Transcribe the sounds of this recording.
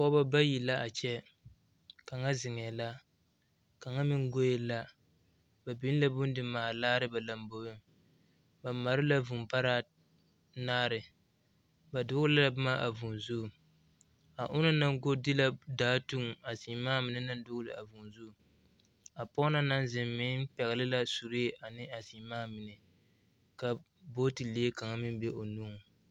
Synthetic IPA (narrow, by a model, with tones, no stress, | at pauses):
pɔ˦ba˦ba˦ji˨la˦ʔa˨t͡ʃɛ˦ | ka˨ŋa˦zɪ˨ŋɛ˨la˦ | ka˨ŋa˦mɪ˦ŋɡo˦je˦la˦ | ba˨bi˦n˦la˦bʊ˦n˦dɪ˨maː˨laː˦ɾɨ˦ba˨la˨mbo˨˦ʊ˦ | ba˨ma˨ɾɪ˦la˦vu˨mpa˦ɾaː˦ | naː˦ɾɪ˨ | ba˨dʊ˦ɡʊ˦la˦la˨bma˦ʔa̰˨vu˨nzu˦˨ | a˨ʔʊ˦na˦na˦ŋɡo˦dɪ˦la˦daː˦tu˦ŋ˨a˨si˨˦maː˦mɪ˨nɨ˦na˦n˦dʊ˦ɡʊ˦lɨ̰˨a˨vu˨nzu˦˨ | a˨pɔ˦na˦na˦n˦zɪ˨mmɪ˦pɛ˨ɣa˨lɪ˦la˦su˨ɾe˦ʔa˨nɪ˦a˨si˨˦maː˦mɪ˨nɛ˨ | ka˨ | bo˦ti˨leː˦ka˨ŋa˦mɪ˦n˦be˦ʔo˨nu˦ŋ˨